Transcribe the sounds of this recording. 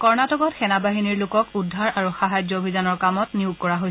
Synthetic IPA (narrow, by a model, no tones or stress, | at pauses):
kɔɹnatɔkɔtxɛnabaɦiniɹlʊkɔkudʱːaɹaɹuxaɦajd͡ʒɔobʱizanɔɹkamɔtniuɡ̚kɔɹaɦoj